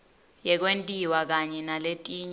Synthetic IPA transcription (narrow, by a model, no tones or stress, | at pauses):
jɛk̬wentʼiwak̬aɲɛnaletʼiːɲ